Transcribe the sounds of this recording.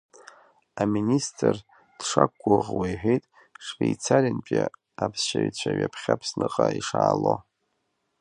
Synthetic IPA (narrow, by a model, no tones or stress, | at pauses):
aministʰʼr | d̥ʂakʷːʊʁwajħejtʼ | ʂvejt͡sʰarʲant͡ʃʼa | apʰsʃaɥt͡ɕʷʰaɥapʰχʲapʰsnɨqʼaiʂaːlo